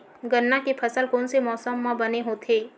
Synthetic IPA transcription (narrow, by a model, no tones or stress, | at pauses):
ɡənːakepʰəsəlkɔːnsemɔːsəmːãbɐneɦoːt̪ʰeː